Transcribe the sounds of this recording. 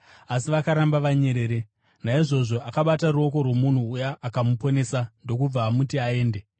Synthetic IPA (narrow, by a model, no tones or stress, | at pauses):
asiʋakaɾambaʋaɲe̞ɾe̞ːɾe | naiʐo̞ʐo̞ʔakaɓataruo̞ko̞rwo̞mun̤uːjaʔːkamupo̞ne̞sando̞k̬ub͡vaːmutiae̞ːnde